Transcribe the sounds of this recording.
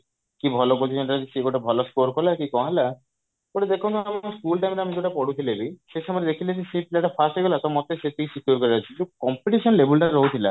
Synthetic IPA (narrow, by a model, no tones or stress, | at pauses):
kibʱɔlokoɾt͡ʃʰiseʈaɾad͡ʒiʃeɡoʈabʱɔlɔsʈoɾkɔlakikɔɦala | koʈed̪ekʰɔ̃nt̪ɔamaskulʈajmɾeamiɡoʈapɔɽut̪ʰilebiʃeʃɔmɔɾed̪ekʰilet͡ʃʰiʃiplaʈapʰasʈeɡɔlat̪ɔmɔt̪eʃet̪isit̪oɾkɔɾat͡ʃʰid͡ʒukɔmpiʈiʃɔnlebʱulʈaɾɔɦut̪ʰila̰